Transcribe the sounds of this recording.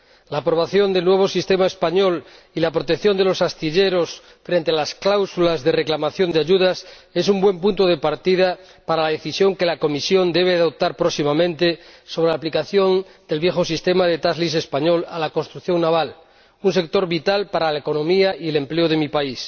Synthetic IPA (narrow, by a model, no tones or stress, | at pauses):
laːpɾo̞β̞aθjond̪elnwe̞β̞osist̪emaespaɲo̞l | ilapɾo̞t̪e̞kθjo̞nd̪e̞lo̞sast̪iʎe̞ɾo̞s | fɾe̞nt̪ealasklawsulazðe̞reklamaθjo̞nd̪eaʝuðas | e̞sumbwe̞mpunt̪oð̞epaɾt̪iða | paɾalaðe̞θisjo̞ŋke̞lako̞misjo̞nd̪e̞β̞eaðop̚t̪aɾpɾoksimamẽ̞nt̪eso̞β̞ɾelaplikaθjo̞nd̪e̞lβje̞xosist̪e̞maðe̞t̪azlisespaɲo̞la̰lako̞nst̪ɾukθjo̞ŋnaβ̞al | unse̞k̚t̪o̞ɾβit̪alpaɾalaeko̞nõ̞miaie̞lempleoð̞e̞mipais